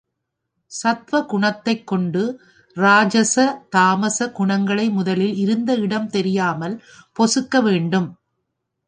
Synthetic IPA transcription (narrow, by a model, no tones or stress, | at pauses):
sɐt̪ʋɐkʊɳɐt̪ːɐɪkːɔɳɖɯ | ɾaːd͡ʒɐsɐt̪aːmɐsɐɡʊɳɐŋɡɐɭɐɪmʊðɐlɪlɪɾɯnd̪ɐɪɽɐmt̪ɛɾɪjaːmɐl | pɔsɯkːɐʋeːɳɖɯm